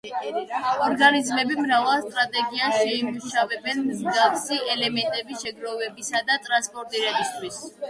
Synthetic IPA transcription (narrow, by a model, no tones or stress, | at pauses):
ɔɾɡanizmɛbimɾavalˠst̪ʼɾat̪ʼɛɡiasʃɛimuʃavɛbɛnmzɡafsiʔɛlɛmɛnt̪ʼɛbisʃɛɡɾɔvɛbisad̪at̪ʼɾanspʼɔɾt̪ʼiɾɛbist̪ʰwis